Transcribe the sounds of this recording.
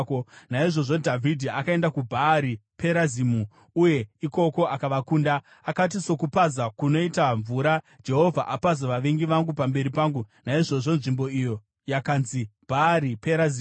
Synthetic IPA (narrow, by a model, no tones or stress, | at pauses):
konaiʐo̞ʐo̞dʱavʱidʱiakae̞ndakubʱaːɾipʰe̞ɾazimu | uje̞iko̞ko̞ʔakaʋakuːndaː | kat̬iso̞kupazakuno̞itaɱvuɾa | d͡ʒe̞ɦo̞vʱa̰ʔapazaʋaʋeŋɡiʋaŋɡupambe̞ɾipaːŋɡunaiʐo̞ʐo̞nʐimbo̞ijo̞ | jakanzib̥ʱaːɾipeɾazi